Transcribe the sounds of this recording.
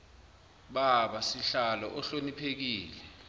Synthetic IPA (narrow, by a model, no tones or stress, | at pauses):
ɓaɓasiɬalɔʔɔɬonipʰek̬iːlɛ